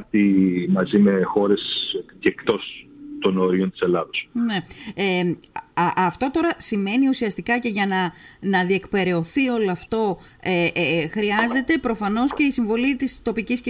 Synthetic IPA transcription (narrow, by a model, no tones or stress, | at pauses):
ɾt̪imɐzime̞xo̞ɾe̞scekt̪o̞st̪onoɾiont̪i̥se̞lɐðosneeɐʔɐft̪o̞t̪o̞ɾɐsime̞niusiɐst̪ikɐce̞ʝɐnɐnɐðie̞kpe̞ɾe̞o̞θio̞loɐft̪o̞ | eʔxɾiɐze̞t̪e̞pɾo̞fɐno̞sce̞isiɱvo̞lit̪ist̪o̞picis